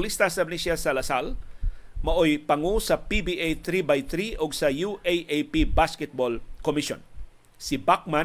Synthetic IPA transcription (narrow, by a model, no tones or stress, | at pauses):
list̪ɐsɐbɪnisjasɐlɐsal | mɐʔojpɐŋusɐpibiʔejt̪ɾibajt̪ɾiʔoɡsɐjuʔejʔejpibaskɛt̪̚bolkomɪʃo̰n | sɪbak̚ma